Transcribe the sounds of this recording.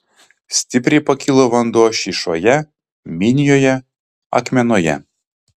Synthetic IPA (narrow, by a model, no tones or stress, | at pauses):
sʲt̪ʲɪpʲɾʲɪpɐkʲɪlˠoʋɐnd̪uɔʃʲiʃoːjɛ | mʲɪnʲɪjoːjɛ | ɐ̰kmʲɛnoːjɛ̰